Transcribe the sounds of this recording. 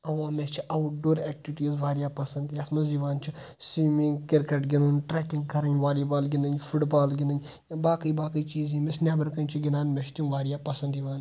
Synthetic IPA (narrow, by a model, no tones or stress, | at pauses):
ɐʋaːmest͡ʃʰiʔawʈ̚ɖoːɾɛːk̚ʈiʋiʈiːzʋaːɾijaːpɐsɐnd̪jat̪ʰmɐziʋaːnt͡ʃʰi | siːmiŋɡkiɾkeʈɡʲinuːnʈɾɛːkĩŋɡkɐɾɐɲʲʋaːlibaːlɡʲinɐɲfʰuʈbaːlɡʲɪnɐɲʲ | baːkijbaːkijt͡ʃiːzĩːmesnʲjaːbɐɾkɐnʲt͡ʃʰiɡinaːnmʲeʃt̪inʋaːɾijaːpɐsɐ̃nd̪iʋaːn